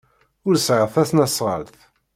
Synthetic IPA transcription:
ʊɾsʕəʁθæsnæsʁə̰lθ

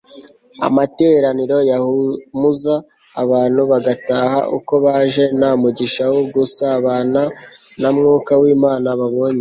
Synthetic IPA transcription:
a̰mate̞ːɾaniɾo̞jahumuzaː | βaːn̥huβaɡataːha̰ʔṵko̞βaʒe̞namuɟiʃawoɡusaːβaːnanamŋuːkawiːmaːnaβaβo̞ːɲe

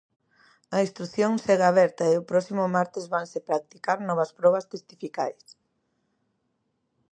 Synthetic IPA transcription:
ɐist̪ɾuθjoŋseɣaaːβɛɾt̪ɐeʊpɾɔsimʊmaɾt̪ezβaŋsepɾak̚t̪ikaɾnɔβ̞ɐspɾɔβ̞ɐst̪est̪ifika̰js

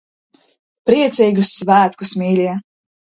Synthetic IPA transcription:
pɾiɛt̪sʲijɡusvæːt̪kusmʲiːlʲiɛ

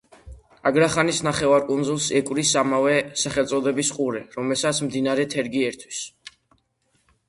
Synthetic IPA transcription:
aɡɾaχanisnaχɛvaɾkʼunzulˠsɛkʼwɾisamavɛsaχɛlˠt̪sʼɔd̪ɛbisqʼuɾɛɾɔmɛlˠsat̪sʰmd̪inaɾɛt̪ʰɛɾɡiɛɾt̪ʰwi̥s

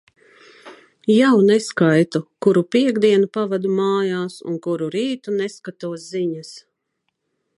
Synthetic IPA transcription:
jawnɛskajt̪ukuɾupiɛɡd̪iɛnupavad̪umaːjaːsṵnkuɾuɾiːt̪unɛskat̪uɔsziɲas

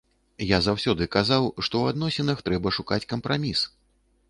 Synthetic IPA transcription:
jazawsʲɔd̪ɨkazawʂt̪ɔwad̪nɔsʲɛnɐxt̪ɾɛbɐʂukat͡sʲkɐmpɾamʲis

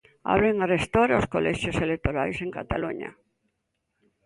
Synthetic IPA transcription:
a̰βɾeŋarest̪oɾoskolɛʃjoselet̪oɾajseŋka̰t̪a̰luɲa̰

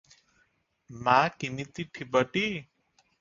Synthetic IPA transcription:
makimit̪iʈʰibəʈi

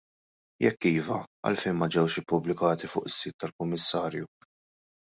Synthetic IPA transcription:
jɛkːiːvɐɐ̰lfɛjnmɐd͡ʒɛwʃɪpːʊblɪkɐːt̪ifʊ̰ːʔɪsːiːt̪ːɐlkʊmːɪsːɐːɾju

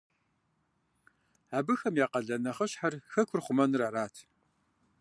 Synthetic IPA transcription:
aːbɨxɐmjaːqɐɮɐnɐχəɕħarxɐkʷʰʊrχʷʊmɐnɨraɾaːtʰ

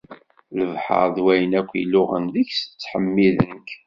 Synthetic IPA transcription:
ləvħə̰ɾðwæjənækʷːḭlʊʁə̰nðiçsə̥t͡sːħəmːiðənk

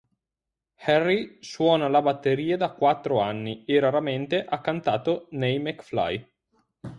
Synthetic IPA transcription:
hɛrːiswɔːnalabat̪ːeɾiːad̪akwat̪ːɾoanːieɾaɾament̪eʔakːant̪aːt̪onɛjmekfla̰j

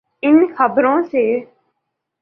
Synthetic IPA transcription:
ɪnxʰəbɾõːseː

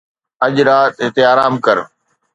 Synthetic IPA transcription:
ɐʄɾaːt̪ɦɪt̪eaːɾaːmkɐɾ

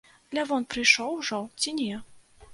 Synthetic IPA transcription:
d̪lʲavɔnpɾɨjʂɔwʐɔt͡sʲinʲɛ

